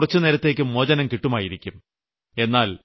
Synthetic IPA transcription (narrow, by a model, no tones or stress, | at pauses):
rɐt͡ɕːuniɾɐt̪ːe̞ːk̬ʲːɨmːoːd͡ʑɐnɐmkiʈːumaːjiɾikʲːum | e̞nːaːl